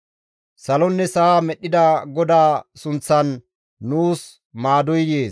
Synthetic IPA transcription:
sɐlɔnːɛsaːmɛɗːɪd̪ɐɡɔd̪aːsʊnt͡sːɐnː | uːs | maːd̪ɔjjeːs

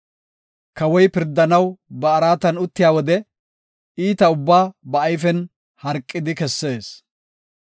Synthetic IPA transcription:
kɐwɔjpɪɾd̪ːɐnɐwbɐːɾaːt̪ɐnʊt̪ːɪjaːwɔd̪ɛ | iːt̪ɐʊbːaːbɐɐjfɛn | hɐɾkʼːɪd̪ɪkɛsːe̞ːs

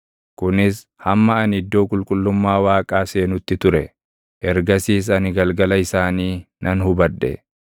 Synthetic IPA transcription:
kʊnɪs | hɐmːɐɐnɪd̪ːo̞ːkʼʊlkʼʊlːʊmːaːwaːkʼaːseːnʊt̪ːɪt̪ʊɾɛ | ʔɛɾɡɐsiːs̬ɐnɪɡɐlɡɐlɐɪsaːniː | nʔɐnhʊbɐᶑːɛ̰

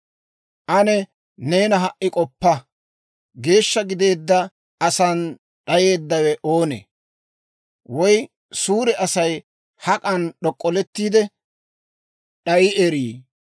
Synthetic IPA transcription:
ʔɐnɛ | ne̞ːnɐɦɐʔːɪkʼɔpːɐ | ɡe̞ːʃːɐɡɪd̪e̞ːd̪ːɐ | ɐsɐn | ɗɐje̞ːd̪ːɐwɛʔo̞ːnɛ̰ | wɔj | suːɾɛʔɐsɐj | hɐkʼɐnɗɔkʼːɔlɛt̪ːiːd̪ɛ | ɗɐjɪʔɛɾiː

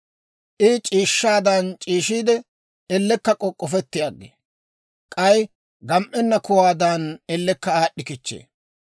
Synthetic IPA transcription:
ʔɪt͡ʃʼiːʃːaːd̪aːnt͡ʃʼiːʃiːd̪ɛ | ɛlːɛkːɐkʼɔkʼːɔfɛt̪ːɪjaːɡːḛː | kʼɐj | ɡɐmʔɛnːɐkʊwaːd̪aːnɛlːɛkːɐaːɗːɪkɪt͡ʃːḛː

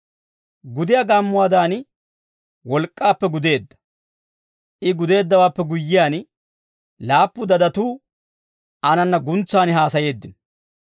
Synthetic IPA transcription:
ɡʊd̪ɪjaɡaːmːʊwaːd̪aːn | wɔlkʼːaːpːɛɡʊd̪e̞ːd̪ːɐ̥ | ʔɪɡʊd̪e̞ːd̪ːɐwaːpːɛɡʊjːɪjaːn | laːpːʊd̪ɐd̪ɐt̪uː | ɐnɐnːɐɡʊnt͡sːaːnɦaːsɐje̞ːd̪ːɪn

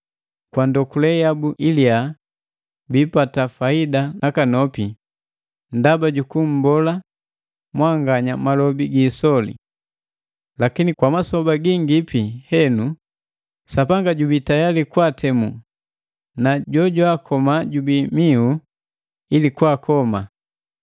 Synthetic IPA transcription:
kwandɔkulɛjabuʔilia | biːpatafaidanakanɔpi | ndabaɟukum̩bɔla | mwaŋɡaɲamalɔbiɡiːsɔlḭ | lakinikwamasɔbaɡiŋɡipihɛnu | sapaŋɡaɟubitajalikwatʰɛmu | naɟɔɟwakʰɔmaɟubimiu | ilikwakʰɔma

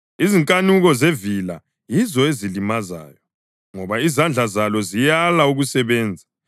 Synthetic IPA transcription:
iziŋkʼanuɣɔzevila | jizɔezilimaza̰ːjɔ | ŋɔβaizand͡ɮʱazalɔzijalauɣusɛβɛːnd͡zʱḁ

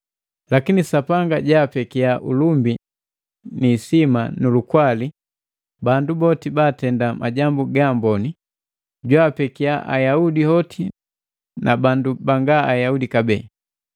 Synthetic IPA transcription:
lakinisapaŋɡaɟaːpɛkiaʔulumbi | niːsimanulukwali | bandubɔtibaːtɛndama̰ɟambuɡambɔni | ɟwaːpɛkiaʔa̰jaudihɔtʰi | nabandubaŋɡaajaudikabɛ̰ː

